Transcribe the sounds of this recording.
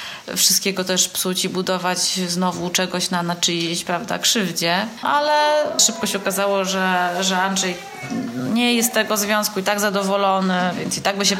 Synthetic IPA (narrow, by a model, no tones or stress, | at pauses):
fʂɨst̪kʲɛɡɔt̪ɛʂpsut͡ɕibud̪ɔvat͡ɕznɔvut͡ʂɛɡɔɕnanat͡ʂɘjit͡ɕpɾavd̪a̰kʂɘvd͡ʑɛʔalɛʂɘp̚kɔɕɛɔkazawɔʐɛʐɛanʐɛj | ɔɲɛjɛst̪ːɛɡɔzvʲjɔ̃w̃skuit̪aɡzad̪ɔvɔlɔnɘvʲjɛnt̪sit̪aɡbɘɕ̬ɛ